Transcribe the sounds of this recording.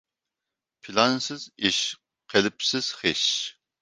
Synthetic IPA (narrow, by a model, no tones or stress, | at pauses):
pʰilɑnsɪziʃ | qʰelɪpsɪz̥χeʃ